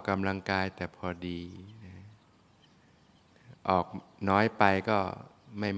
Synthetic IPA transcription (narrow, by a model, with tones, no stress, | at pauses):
ka˧mla˧ŋkaː˧jt̪ɛː˨˩pʰɔː˧diː˧nɛ˧˥ | ʔɔː˨˩k̚nɔː˦˥jpa˧jkɔː˥˩ma˥˩j